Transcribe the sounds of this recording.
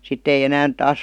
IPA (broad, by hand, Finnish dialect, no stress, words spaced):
sitː ei enæːn tɑːs